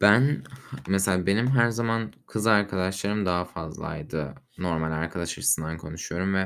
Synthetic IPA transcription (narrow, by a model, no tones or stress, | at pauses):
b̥ænmeselʲaːbe̞nimɦæɾzamankʰɯzɯaɾkʰad̪aʃlˠaɾɯmd̪aɦafazlˠa̰jd̪ɯ | no̞ɾmalʲaɾkʰad̪aʃˠaɾʰɯsɯnd̪ankʰo̞nuʃujo̞ɾumvɛ